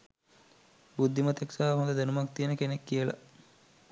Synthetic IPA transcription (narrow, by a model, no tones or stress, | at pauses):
bud̪ʱːimət̪eksaaɦond̪əd̪enumak̚t̪ijənəkenekːijəla̰